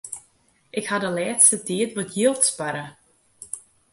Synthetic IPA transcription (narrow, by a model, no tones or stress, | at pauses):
ʔɪkhadəlɛːtstətiətʋɔtjilˠtspaɾə